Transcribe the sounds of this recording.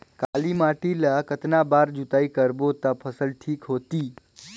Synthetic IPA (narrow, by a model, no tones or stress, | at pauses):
kalimaʈilakət̪nabaɾd͡ʒut̪aikəɾbot̪apʰəsəlʈʰiːkɦot̪iː